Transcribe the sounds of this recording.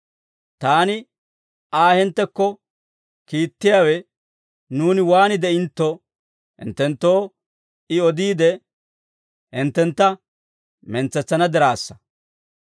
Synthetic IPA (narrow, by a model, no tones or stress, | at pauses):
t̪aːnɪ | aːhɛnt̪ːɛkːɔ | kiːt̪ːɪjaːwɛ | nuːnɪwaːnɪd̪ɛɪnt̪ːɔ | hɪ̰nt̪ːɛnt̪ːo̞ː | ɪɔd̪iːd̪ɛ | hɪnt̪ːɛnt̪ːɐ | mɛnt͡sːɛt͡sːɐnɐd̪ɛɾaːsːɐ̥